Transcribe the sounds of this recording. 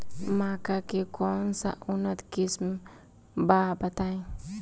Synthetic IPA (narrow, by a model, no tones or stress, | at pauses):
makakekɔnsa̰ʔunət̪kism | babat̪aj